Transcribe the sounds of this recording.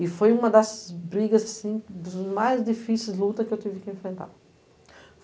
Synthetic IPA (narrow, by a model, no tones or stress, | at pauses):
ifojũmɐd̪ɛszbɾiɡɐzɐsĩd̪uzmajzd̪ifisijzlut̪ɐkewt̪ivikẽfɾẽnt̪a̰ɾ